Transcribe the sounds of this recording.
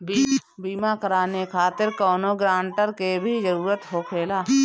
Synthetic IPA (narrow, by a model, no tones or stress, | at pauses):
bibiːmakəɾaːnekʰaːt̪ɪɾkɔːnoɡɾãːɳʈəɾkebʱid͡ʒəɾuːɾət̪ɦoːkʰeːlaː